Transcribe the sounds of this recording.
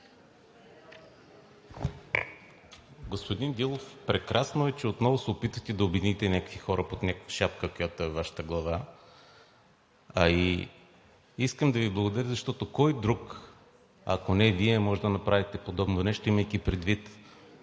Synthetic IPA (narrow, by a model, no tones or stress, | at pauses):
ɡospod̪ind̪ilˠofpɾɛkɾʔasnoɛt͡ʃɛot̪nɔvosɛopit̪vət̪ɛd̪ɐobɪd̪init̪ɛnʲakə̥kvixɔɾəpot̪nʲakʃapkəkojat̪oɛvaʃə̥t̪əɡlˠɐva | ɐi | iskəmd̪ɐviblˠɐɡod̪ɐɾʲəzɐʃt̪ɔt̪okɔjd̪ɾuk | ɐ̰konɛviɛmɔʒɛd̪ɐnɐpɾavit̪ɛpod̪ɔbnonɛʃt̪oiməjk̪ʲɛpɾɛd̪vit̪